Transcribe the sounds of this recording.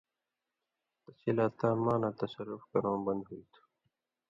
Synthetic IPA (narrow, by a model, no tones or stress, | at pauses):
t̪ɐsilaːt̪ːãːmãːnãːt̪ɐsɐɾːʊfkɐɾõːbɐ̃nd̪ɦuit̪ʰu̥